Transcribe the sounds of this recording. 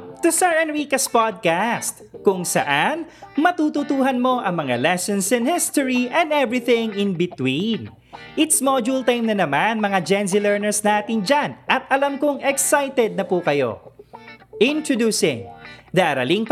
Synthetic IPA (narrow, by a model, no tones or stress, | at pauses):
t̪usɛɹɐ̃nwikɐspad̪̚kast̪kʊŋsɐ̰ʔanmɐt̪uːt̪ʊt̪uːɦɐnmo̞ʔɐŋmɐŋalɛsɛnsɛ̃nhɪst̪oɹiʔɛ̃nd̪ɛvɹɪθɪŋɪnbɪt̪win | ʔɪt̪smod͡ʒult̪ajmnɐnɐmanmɐŋad͡ʒɛnsɪlɛɹnɛɹsnaːt̪ɪnd͡ʒanʔɐt̪̚ʔɐlamkoŋɛksajt̪ɛd̪̚nɐpukɐjo̰ | ʔɪnt̪ɹod̪uːsɪ̃ŋd̪ɐʔɐɾɐlɪŋ